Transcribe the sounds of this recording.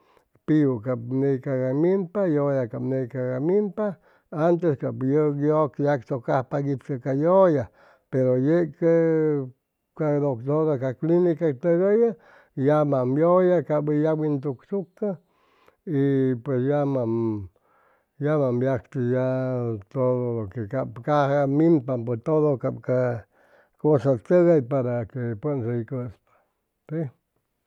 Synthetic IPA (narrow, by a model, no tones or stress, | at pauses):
pijukapnejkaɡamimpajojakapnejkaɡamimpa | ant̪eskapjojokjaksokahpaɡipkakajoja | peɾojeʔke | kanokt̪odakaklinikakt̪əɣəja | jamambjojakaʔbəjawint̪ukt͡ʃuka | ipwesjama | jamambjakt̪əjat̪oðolokekapkahmimpamp̬ət̪oðokapka | kosat̪əɣajpaɾakepənsejkəspḁ | si